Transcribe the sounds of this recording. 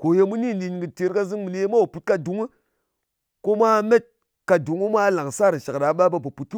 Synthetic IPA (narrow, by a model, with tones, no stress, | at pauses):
ko˨je˦mu˦ni˦˨li˨nɡɨ˨te˨ɾka˦zi˦ŋmi˨le˦ma˦wo˨pu˨t̚ka˦du˨ŋu˦ | ko˦ma˦me˦t̚ | ka˨du˨ŋu˦ma˦la˨ŋsa˦ɾi˨ʃa˨kɗa˨˦ɓa˦ba˨ba˨pu˨tu˦